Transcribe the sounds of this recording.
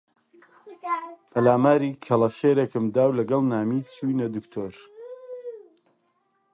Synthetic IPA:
pʰɐlaːmaːɾiːkʰɐlˠɐʃeːɾekɨmd̪aːwlɐɡɐlˠnaːmit͡sʰujnɐd̪ukt̪ʰoːɾ

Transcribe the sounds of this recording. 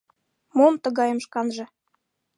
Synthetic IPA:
momt̪ə̆ɣɑjə̆mʃkɑnʒɤ̆

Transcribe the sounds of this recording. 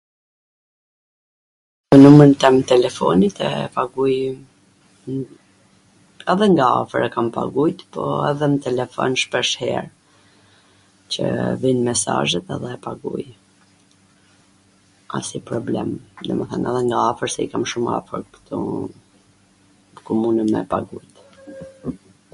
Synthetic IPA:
mɛnuməɾnt̪ɛmt̪ɛlɛfɔ̰nit̪ɛpaɡuj | ɛðɛŋɡaa̰fəɾakampa̰ɡujt̪pɔɛðɛnət̪ɛlɛfɔ̰nʃpɛʃhɛ̰ɾ | t͡ɕəvinmɛsaʒɛt̪ɛ̰ðɛpaɡṵj | a̰sipɾɔblɛ̰md̪ɛməθanɛðɛŋɡaafəɾsɛikamʃuma̰fəɾkt̪ɔ | kɔmunəmɛ̰paɡujt̪

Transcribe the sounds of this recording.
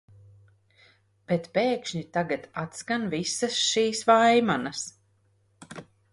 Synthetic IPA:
b̥et̪peːkʃɲit̪aɡat̪at̪skanvisɐsʃiːsvajmanas

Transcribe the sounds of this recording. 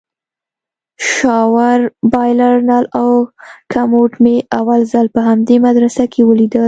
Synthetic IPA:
ʃɑwaɾbɑjlaɾnɑlawkʰamoʈmeawalzəlpəɦamd̪emad̪ɾasakʰewəlid̪əl

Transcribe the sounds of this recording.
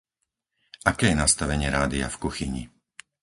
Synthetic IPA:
ʔakɛːjɛnast̪aʋɛɲɪɛɾaːd̪ia̰fkuxiɲḭ

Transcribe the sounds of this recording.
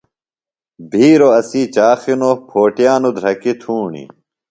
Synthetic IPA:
bʱiːɾoɐsiːt͡ɕaːxinopʰoːʈijaːnud̪ʱɾɐkit̪ʰuːɳḭ

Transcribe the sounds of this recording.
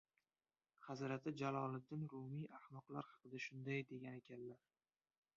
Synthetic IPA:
χɑzɾat̪ʰɪd͡ʒalˠɒlˠɪd̪ːɪnɾʊmijʔahmɒqlˠaɾhɑ̥qɨd̪aʃʊnd̪ajd̪e̞ɡʲane̞kʲʰanlaɾ

